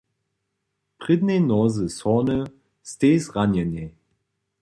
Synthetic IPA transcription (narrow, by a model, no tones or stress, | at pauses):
pʁ̥ɪdnenɔzəsɔnə | stesʁanəne